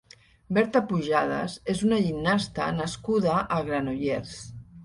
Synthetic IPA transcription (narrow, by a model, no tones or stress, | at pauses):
bɛɾt̪apuʒað̞a̰zezunaʒinːast̪a̰naskuðaʔaɣɾanojeɾs